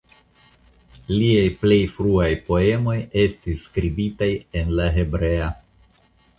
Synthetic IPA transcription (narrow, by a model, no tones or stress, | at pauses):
liajple̞jfɾuajpo̞e̞mo̞je̞stisːkɾibitaje̞nlaɦe̞bɾe̞a